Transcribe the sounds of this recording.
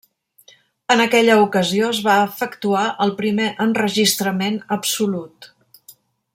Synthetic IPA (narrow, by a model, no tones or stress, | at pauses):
ənəkɛʎəukəzioəzβaəfəkt̪uaʔəlˠpɾimeʔənrəʒist̪ɾəmenəpsulut̪